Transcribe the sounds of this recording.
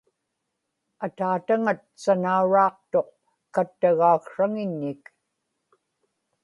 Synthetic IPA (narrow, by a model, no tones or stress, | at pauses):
at̪aːt̪aŋat̪̚sanauɻɑːqt̪o̞q̚ | kat̪ːaɣaːkʂaŋɪɲːɪk